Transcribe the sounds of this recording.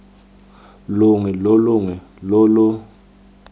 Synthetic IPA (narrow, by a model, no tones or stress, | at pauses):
lʊŋɛlolʊŋɛ | lɔlɔ